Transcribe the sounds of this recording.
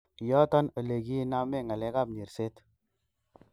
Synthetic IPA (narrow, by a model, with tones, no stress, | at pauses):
jɔ˦tɔ˦no˨le˨ki˦na˦me˦˨ŋa˨lɛ˦ka˦˨p̚ɲe˨ɾse˦t